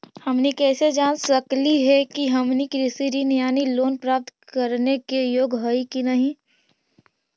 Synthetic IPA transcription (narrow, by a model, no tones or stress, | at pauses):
hɐmnikɛːsed͡ʒaːnsɐkliɦɛkiɦɐmnikɾɪsiɾinɪjaːniloːnpɾaːp̚t̪kɐɾnekejoːɡɦəikinɐɦĩ